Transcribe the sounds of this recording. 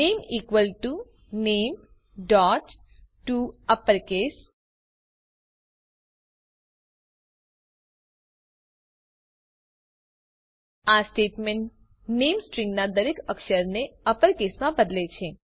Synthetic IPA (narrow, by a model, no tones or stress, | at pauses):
nemikʋəlʈu | nem | ɖɔʈ | ʈuəpəɾkes | asʈeʈmeɳʈ | nemsʈɾĩŋɡnad̪əɾekəkʃəɾneəpəɾkesmãbəd̪let͡ʃʰe